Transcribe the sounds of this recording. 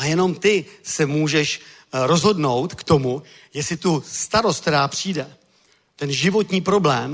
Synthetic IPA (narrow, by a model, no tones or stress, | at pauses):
ajɛno̞mt̪ɪsɛmuːʒɛʃ | ɾo̞zɦo̞dno̞wt̪kt̪o̞mu | jɛsɪt̪ust̪aɾost̪̚t̪ɛɾaːpr̝̥iːdɛ | t̪ɛnʒɪvo̞t̪ɲiːpɾo̞blɛːm